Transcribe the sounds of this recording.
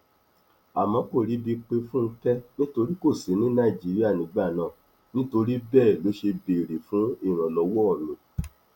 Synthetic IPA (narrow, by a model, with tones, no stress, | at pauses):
a˨mã˨˦ko˦˨ɾi˨˦bi˧k͡pe˧fũ˦n̩˧tɛ˦nĩ˦to˧ɾi˦ko˦˨si˨˦nĩ˦nã˦i˨d͡ʒi˨˦ɾi˦a˦˨nĩ˨˦ɡ͡ba˦˨nãː˦˨ | nĩ˦to˧ɾi˦bɛː˦˨lo˨˦ʃe˧be˨ɾe˨fũ˨˦i˦˨ɾ̃ã˨lɔ˨˧wɔ˦ɔ˦˨nũ˨